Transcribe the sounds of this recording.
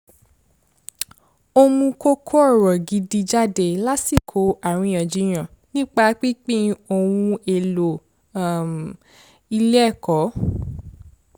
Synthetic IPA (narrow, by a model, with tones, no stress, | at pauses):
o˧mũ˧ko˦kʰo˦ɔ˦˨ɾɔ˨ɡi˨di˧d͡ʒa˦de˨la˦si˦˨kʰo˨˦a˨ɾ̃ĩ˧j̃ã˨d͡ʒi˨˧j̃ã˨ | nĩ˦k͡pa˧˦k͡pi˦k͡pĩ˦o˧˨wũ˧e˨lo˨ | i˧lɛ˦˨kɔ˨˦